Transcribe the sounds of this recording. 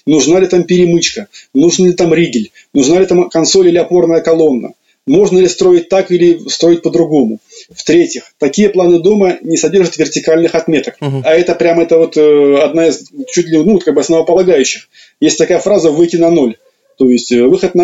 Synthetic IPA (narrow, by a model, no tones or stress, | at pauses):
nʊʐnalʲɪt̪ampʲɪɾʲɪmɨt͡ɕkənuʐnəlʲɪt̪amɾʲiɡʲɪlʲ | nʊʐnalʲɪt̪amkɐnso̞lʲilʲɪɐpo̞rnəjəkɐlˠo̞nːə̰ | mo̞ʐnəlʲɪst̪ɾo̞ɪt̚ʲt̪akilʲɪst̪ɾo̞ɪtʲpəd̪ɾʊɡo̞mʊft̪ɾʲetʲɪxt̪ɐkʲijəplˠanɨd̪o̞mənʲɪsɐdʲe̞rʐət̪vʲɪrtʲɪkalʲnɨxɐt̪mʲe̞t̪əkɐɛt̪əpɾʲamɛt̪əvo̞t̪ɐd̪naɪzt͡ɕut̚ʲlʲɪnut̪̚kaɡ̚bɨɐsnəvəpəlˠɐɡajʉɕːɪx | jesʲtʲt̪ɐkajəfɾazəvɨjtʲɪnɐno̞lʲ | t̪o̞jɪsʲtʲvɨxət̪nɐ